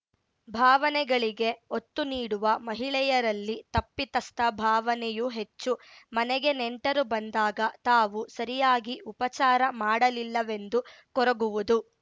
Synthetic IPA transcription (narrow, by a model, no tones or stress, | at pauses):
bʱaːʋɐnɛɡɐɭiɡe̞ot̪ːuniːɽuʋɐmɐɦiɭɛjɐɾɐlːit̪ɐpːit̪ɐst̪ʰɐbʱaːʋɐnɛjuɦe̞t͡ʃːumɐnɛɡe̞neɳʈɐɾubɐnd̪aːɡɐt̪aːʋusɐɾijaːɡiʔupɐt͡ʃaːɾɐmaːɽɐlilːɐʋe̞nd̪u | kɔɾɐɡuʋud̪u